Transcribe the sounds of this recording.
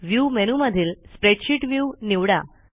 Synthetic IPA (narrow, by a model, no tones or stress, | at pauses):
ʋjumenuməd̪ʱiːlspɾeʈɕiʈʋjuniʋɽa